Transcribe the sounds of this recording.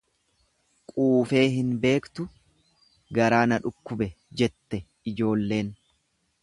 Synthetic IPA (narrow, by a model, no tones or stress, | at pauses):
kʼuːfe̞ːɦɪnbe̞ːkt̪ʊ | ɡɐɾaːnɐᶑʊkːʊbɛ | d͡ʒɛt̪ːɛ | ɪd͡ʒo̞ːlːe̞ːn